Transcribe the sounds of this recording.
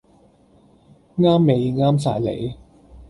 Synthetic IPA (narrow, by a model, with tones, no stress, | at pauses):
ŋaː˥mːe˨˧jŋaː˥ms̬a̰ː˧jlḛ˨˥j